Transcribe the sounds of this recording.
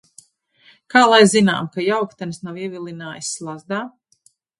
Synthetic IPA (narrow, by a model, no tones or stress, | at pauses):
kaːlˠajzina̰ːmkajawkt̪ɛnsnawiɛvʲilˠinaːjisːlˠazd̪aː